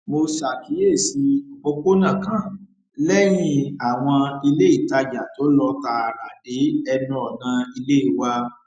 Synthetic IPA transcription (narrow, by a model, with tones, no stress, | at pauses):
mo˧sa˨ki˨˦je˦˨si˨˧˦o˧ko˦nã˦˨kã˨˦˨ | lɛ˦j̃ĩ˧a˨w̃ɔ̃˧i˧le˦i˦˨ta˧d͡ʒa˨to˨˦lɔ˦ta˧ɾa˨de˨˦ɛ˧nɔ̃˦ɔ˨nã˨˧i˧le˦i˨wa˧